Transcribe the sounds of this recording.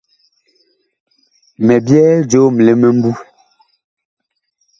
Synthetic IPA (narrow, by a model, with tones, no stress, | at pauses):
mɛ˨bjɛː˦d͡ʒo˦m̩˨le˨me˦m̩˦bu˦